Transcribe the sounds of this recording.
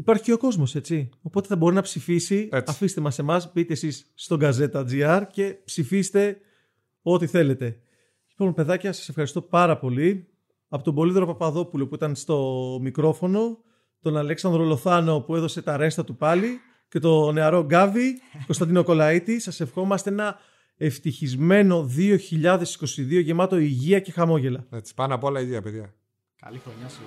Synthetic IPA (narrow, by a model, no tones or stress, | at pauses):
ipɐɾçiceoko̞zmo̞se̞t͡sio̞po̞t̪eθɐbo̞ɾinɐpsifisiɐfist̪emɐse̞mɐsbit̪eːsisːt̪o̞ɡɐze̞t̪ɐd͡ziɐɾce̞psifist̪e̞ | o̞t̪iθe̞le̞t̪e̞ | lipo̞mpe̞ðɐcɐsɐ̥sefxɐɾist̪o̞pɐɾɐpo̞li | ɐpo̞t̪obo̞liðɾo̞pɐpɐðo̞pulo̞puit̪ɐnst̪o̞mikɾo̞fo̞no̞ | t̪o̞nɐleksɐnd̪ɾo̞lo̞θɐno̞pue̞ðo̞se̞t̪ɐɾe̞st̪ɐt̪upɐli | ce̞t̪o̞ne̞ɐɾo̞ɡɐviko̞st̪ɐnd̪ino̞ko̞lɐit̪isɐse̞fxo̞mɐst̪eenɐ | e̞ft̪içizme̞no̞ðio̞çiʎɐðe̞si̥ko̞siðio̞ʝe̞mɐt̪o̞iʝiɐce̞xɐmo̞ʝe̞lɐet͡si̥spɐnɐpolɐiʝiɐpeðʝɐ | kɐ̰lixɾoɲɐ